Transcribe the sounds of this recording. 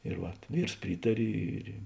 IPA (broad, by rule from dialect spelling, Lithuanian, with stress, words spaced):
ɪr ˈʋɐt ˈʋʲiːrs ˈpʲrʲiːtɐrʲɪ ˈɪr ɪ